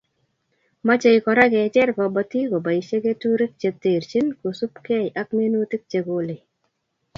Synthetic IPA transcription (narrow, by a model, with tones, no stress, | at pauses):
ma˦t͡ʃe˨jkɔ˨ɾa˦kɛ˨t͡ʃɛ˦ɾkɔ˨bɔ˨ti˦ko˨ba˨i˨ʃe˦ke˦tu˦ɾe˦k̚t͡ʃe˨te˨ɾt͡ʃɪ˦nko˨su˦pkɛ˦jʔa˦kme˦nu˦tɪ˦k̚t͡ʃe˨ko˨le˨